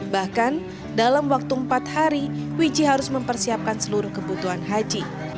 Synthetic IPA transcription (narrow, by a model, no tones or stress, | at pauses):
bahkan | dalamwak̚t̪uəmpat̪̚haɾiwid͡ʒiɦaɾʊsməmpərsiap̚kansəluɾʊhkəbut̪uɦanɦad͡ʒi